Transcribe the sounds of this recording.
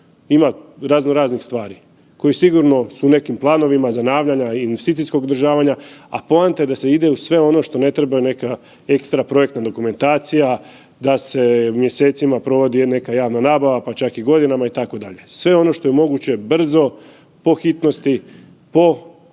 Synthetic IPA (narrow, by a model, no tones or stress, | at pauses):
imaɾaznoɾaːznixst̪ʋaːɾi | ko̞jisiɡuɾno̞sune̞kimplˠaːno̞ʋimazanaːʋʎaɲainʋest̪iːt̪isko̞ɡd̪ɾʒaːʋaɲaa̰poant̪aed̪ase̞id̪e̞usʋe̞o̞no̞ʃt̪o̞ne̞t̪ɾebajune̞ka | e̞kst̪ɾapɾo̞jekt̪nad̪o̞kume̞nt̪aːt̪sija | d̪ase̞mje̞se̞ːt̪simapɾo̞ʋo̞d̪ine̞kajaːʋnanaːbaʋapat͡ʃakiɡo̞d̪inamait̪ako̞d̪aʎe̞sʋe̞o̞no̞ʃt̪o̞je̞mo̞ɡut͡ɕe̞br̩zo̞ | po̞xit̪no̞st̪i | po̞